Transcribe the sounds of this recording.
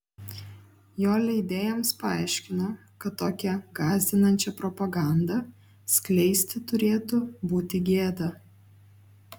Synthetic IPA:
joːlʲɛɪd̪ʲeːjɛmspɐɑˑɪʃʲkʲɪnoː | kɐt̪ːoːkʲɛɡɑːzʲd̪ʲɪnɐnʲt͡ʃʲɛpɾɔpɐɡɑˑnd̪ɐ | sʲklʲɛɪsʲt̪ʲɪt̪ʊɾʲeːt̪ʊbuːt̪ʲɪɡʲeːd̪ɐ

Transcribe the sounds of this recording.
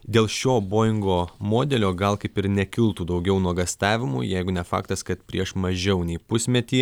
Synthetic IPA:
d̪ʲeːlˠʃʲoːboːjɪŋɡoːmoːd̪ʲɛlʲoːɡɐlˠkɐɪpɪɾnʲɛkʲɪlˠt̪uːd̪ɐʊɡʲɛʊnuɔɡɐst̪ɑːʋʲɪmṵːjɛɪɡʊnʲɛfɑ̰ːkt̪ɐskɐt̪pʲɾʲiɛʃmɐʒʲɛʊnʲɛɪpʊsʲmʲɛt̪ʲiː

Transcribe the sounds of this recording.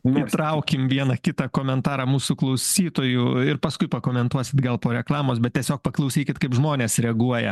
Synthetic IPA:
it̪ɾɐʊkʲɪmʋʲiɛnɐkʲɪt̪ɐkoːmʲɛnt̪ɑːɾɑːmuːsʊklˠɐʊsʲiːt̪oːjʊɪrpɐskʊɪpɐkoːmʲɛnt̪uɔsʲɪt̪ɡɐlˠpoːɾʲɛklˠɑːmoːsbʲɛt̪t̪ʲiɛsʲoːk̚pɐklˠɐʊsʲiːkʲɪt̪kɐɪpʒmoːnʲeːsɾʲɛɐɡuɔjɛ̰

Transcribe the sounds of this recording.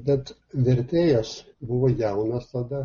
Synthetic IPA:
bʲɛt̪ | ʋʲɛɾʲt̪ʲeːjɛs | bʊʋojɛʊnɐst̪ɐd̪ɐ

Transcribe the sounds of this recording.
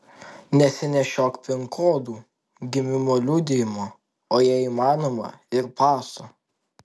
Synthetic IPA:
nʲɛsʲɪnʲɛʃʲoːkpʲɪŋkʰoːd̪uː | ɡʲɪmʲɪmoːlʲuːd̪ʲɪjɪmoː | oːjiɛiːmɑːnoːmɐ̰ɪɾpɑːso

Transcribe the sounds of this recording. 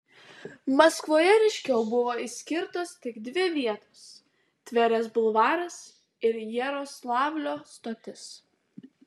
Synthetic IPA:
mɐskʋoːjɛɾʲɛɪʃʲkʲɛʊbʊʋoːisʲkʲɪɾt̪oːst̪ʲɪɡd̪ʲʋʲɪʋʲiɛt̪oːs | t̪ʲʋʲɛɾʲɛsbʊlˠʋɑːɾɐs | ɪɾjɛɾoːslˠɑːʋʲlʲoːst̪oːt̪ʲɪs

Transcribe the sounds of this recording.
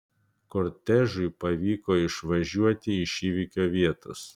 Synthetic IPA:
koɾʲt̪ʲæʒʊɪpɐʋʲiːkoːɪʃʋɐʒʲuɔt̪ʲɪɪʃʲiːʋʲikʲoːʋʲiɛt̪o̰s

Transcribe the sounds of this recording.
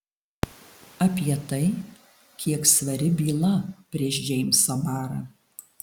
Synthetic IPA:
ɐpʲiɛt̪ɐɪ | kʲʰiɛksʋɐɾʲɪbʲiːlˠɐpʲɾʲiɛʃʒʲɛɪmʲsɐbɑːɾɐː

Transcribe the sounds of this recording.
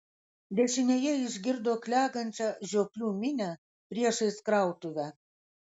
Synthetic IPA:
d̪ʲeʃinʲejeiʒɡʲird̪oklʲɑɡə̆nʲt͡ɕɑʑoplʲumʲinʲæ | prʲieʃeskrɑwt̪uβʲæ

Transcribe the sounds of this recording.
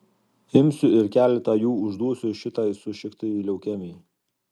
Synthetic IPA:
ɪmʲsʲʊɪɾkʲæːlʲɛt̪ɑjuːʊʒd̪uɔsʲʊʃʲɪt̪ɐɪsʊʃʲɪkt̪ɐilʲɛʊkʲɛmʲɛɪ

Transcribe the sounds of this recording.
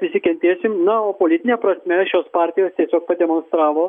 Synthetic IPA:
pʲɾʲɪsʲɪkʲɛnʲt̪ʲeːsʲɪmnɐoːpoːlʲɪt̪ʲɪnʲepɾɐsʲmʲɛʃʲoːspɑːɾʲt̪ʲɪjoːst̪ʲiɛsʲoːk̚pɐd̪ʲɛmoːnst̪ɾɑːʋoː

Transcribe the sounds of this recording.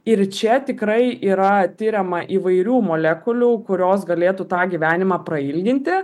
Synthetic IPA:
ɪrt͡ʃʲɛt̪ʲɪkɾɐɪiːɾɐt̪ʲɪɾʲɛmɐʔiːʋɐɪɾʲuːmoːlʲɛːkʊlʲuːkʊɾʲoːsɡɐlʲeːt̪uːt̪ɑːɡʲiːʋʲæːnʲɪmɑːpɾɐɪlʲɡʲɪnʲt̪ʲɪ

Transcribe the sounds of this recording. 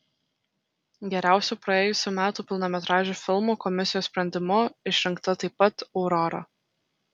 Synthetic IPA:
ɡʲɛɾʲæˑʊsʲuːpɾɐeːjʊsʲuːmʲæːt̪uːpʲɪlˠnɔmʲɛt̪ɾɑːʒʲuːfʲɪlˠmuːkɔmʲɪsʲɪjoːsspʲɾʲɛnʲd̪ʲɪmʊɪʃʲɾʲɪŋkt̪ɐt̪ɐɪpːɐt̪ɔʊɾɔɾɐ̰

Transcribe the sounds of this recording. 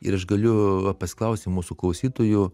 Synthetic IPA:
ɪ̰ɾɐʃɡɐlʲʊɐpɐsʲɪ̥klˠɐˑʊsʲt̪ʲɪmuːsʊklˠɐʊsʲiːt̪oːjʊ

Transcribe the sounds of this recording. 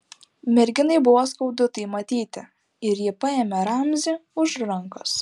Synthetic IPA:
mʲɛɾʲɡʲɪnɐɪbʊʋoːskɐʊd̪ʊt̪ɐɪmɐt̪ʲiːt̪ʲɪ | ɪɾjɪpɑeːmʲɛɾɑmʲzʲiʊʃɾɐŋkʊs

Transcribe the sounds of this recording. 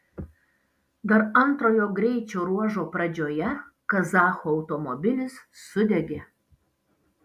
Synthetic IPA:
d̪ɐɾɐnt̪ɾoːjoːɡɾʲɛɪt͡ʃʲoːɾuɔʒoːpɾɐd͡ʒʲoːjɛkɐzɑːxoɐʊt̪omobʲɪlʲɪsːʊd̪ʲɛɡʲe

